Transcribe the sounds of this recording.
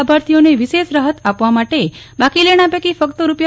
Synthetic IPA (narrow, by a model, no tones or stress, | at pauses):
bʱaɾt̪ʰijoneʋiʃeʃɾəɦət̪apʋamaʈe | bakileɽ̃apekifəkt̪əɾupja